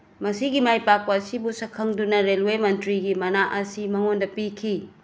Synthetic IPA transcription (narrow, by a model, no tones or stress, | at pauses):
mɐsiɡimajpak̚pɐːsibusɐkʰːɐŋdunɐɾelwemɐntɾiɡimɐnaʔɐsimɐŋondɐpikʰi